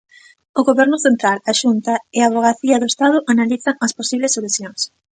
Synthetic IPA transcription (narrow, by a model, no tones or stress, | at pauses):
ʊɣoβɛɾnʊθent̪ɾalaʃunt̪aɪaβoɣaθiɐðʊest̪að̞ʊʔanaliθɐŋɐsposiβlesoluθjoŋs